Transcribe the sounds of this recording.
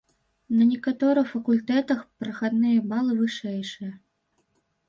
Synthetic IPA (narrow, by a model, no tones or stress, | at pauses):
nɐnʲɛkat̪ɔɾɨxfɐkulʲt̪ɛt̪ɐxpɾɐxad̪nɨjɐbalˠɨvɨʂɛjʂɨjɐ